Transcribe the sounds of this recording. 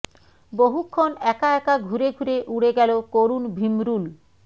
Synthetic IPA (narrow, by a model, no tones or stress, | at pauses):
boɦukʰːonɛkaɛkaɡʱuɾeɡʱuɾeʔuɽeɡɛlokoɾunbʱimɾul